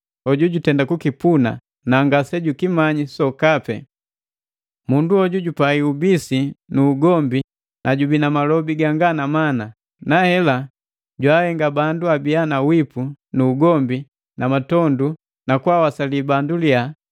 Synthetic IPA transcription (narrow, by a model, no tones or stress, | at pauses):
ɔɟuɟutɛndakukipuna̰ | naŋɡasɛɟukimaɲisɔkapɛ̰ | munduɔɟuɟupaiubisinuːɡɔmbi | nʔaɟubinamalɔbiɡaŋɡanamana | nahɛla | ɟwahɛŋɡabanduabianawipunuːɡɔmbi | namatɔndu | nakwawasalibandulia